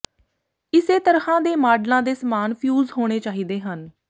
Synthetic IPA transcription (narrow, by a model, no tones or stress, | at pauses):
ɪseːt̪əɾhãːd̪eːmaːɖlãːd̪eːsəmaːnpʰjuːzɦoːɽ̃eːt͡ʃaːɦiːd̪eːɦən